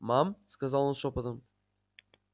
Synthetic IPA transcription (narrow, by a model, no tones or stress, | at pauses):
mamskazalˠonʃopad̪ɯm